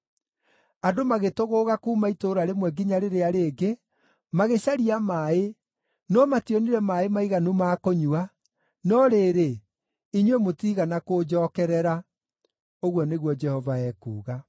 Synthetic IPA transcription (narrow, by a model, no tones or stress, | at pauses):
adomaɣetoɣoːɣakuːmaitoːɾaɾemwɛɡiɲaɾeɾeaɾeːɡe | maɣeɕaɾiamae | nɔmatiɔniɾɛmaːemaiɣanumaːkoɲua | nɔɾeːɾe | iɲwemotiɣanakod͡ʒɔːkɛɾɛɾa | oɣwɔneɣwɔd͡ʒɛhɔvaɛːkṵːɣa